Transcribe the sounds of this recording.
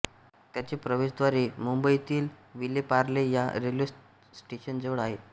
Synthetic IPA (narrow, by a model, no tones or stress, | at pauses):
t̪jat͡ɕepɾəʋeɕd̪ʋaɾimumbəit̪iːlʋilepaɾleja̰ɾelo | sʈeɕənd͡zeʋəɭaɦe